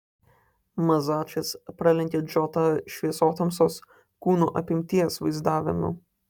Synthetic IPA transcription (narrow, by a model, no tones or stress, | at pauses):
mɐzɑːt͡ʃʲɛspɾɑlʲɛŋʲkʲeːd͡ʒʲɔt̪ɐʃʲʋʲiɛsoːt̪ɐmsoːs | kuːnuːʔɐpʲɪmʲt̪ʲiɛsʋɐɪzd̪ɑːʋʲɪ̰mʊ̰